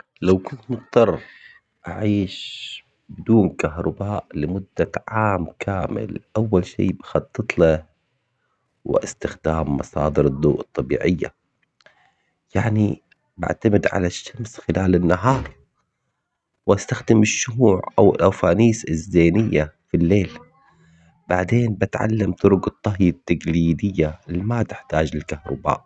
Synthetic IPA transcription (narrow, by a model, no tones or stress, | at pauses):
lawkʊnt̪mʊt̪t̪ˤːɑrˤ | ʔaʕiːʃ | bɪd̪uːnkaɦɾˤɑbaːʔlɪmʊd̪ːaʕaːmkʰaːmɪ̰lʔawːalʃḭːbɪxɑt̪ˤːɨt̪ˤla | wɪʔɪst̪ɪxd̪aːmːɑsˤɑːd̪ɨɾɨd̪ˤːuːʔɨt̪ˤːɑbḭːʕɪjːa | jaʕni | ba̰ʕt̪amɪd̪ʕa̰laʃːamsxɪlaːlɪnːaɦɑːɾˤ | wʔast̪axd̪ɪmɪʃːʊhuːʕʔa̰wɪlʔafaːniːsɪzːeːnɪjːafilːeːl | b̥aʕd̪eːnbɪt̪ʕa̰lːamt̪ʊɾʊkɨt̪ˤːɑɦjat̪ːaɡliːd̪ɪjːalimat̪ɪ̥ħt̪aːd͡ʒɪlkahɾˤʊ̰ba̰ːʔ